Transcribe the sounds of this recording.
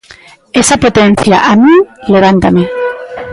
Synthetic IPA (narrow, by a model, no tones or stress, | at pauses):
esapot̪en̟θjaʔamileβ̞ant̪ame